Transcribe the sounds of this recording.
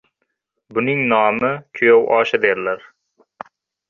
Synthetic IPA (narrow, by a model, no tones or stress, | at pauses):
bʊnɪŋnɒːmɪkʲʰojowʔɒːʃad̪eɾlaɾ